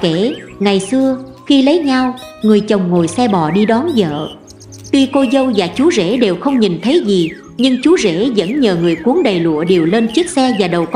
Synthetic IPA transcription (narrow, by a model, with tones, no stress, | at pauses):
ke˧˩ŋa˨˩jsɨ˧ə | xi˧lə˨˦jɲa˧wŋɨ˨˩əjt͡ɕə˨˩wŋ͡mŋo˨˩jsɛ˧ɓɔ˧˩ɗi˧ɗɔ˨˦nzə̰ː˧˨ | t̪wi˧ko˧jzə˧wzaː˨˩t͡ɕu˨˦zḛ˧˥ɗe˨˩wxə˧wŋ͡mɲi˨˩nt̪ʰə˨˦jzi˨˩ | ɲɨ˧ŋt͡ɕu˨˦zḛ˧˥zə̰˧˥nɲəː˨˩ŋɨ˨˩əjku˨˦əŋɗə˨˩jlṵ˧˨əɗe˨˩wle˧nt͡ɕi˦˥k̚sɛ˧zaː˨˩ɗə˨˩wk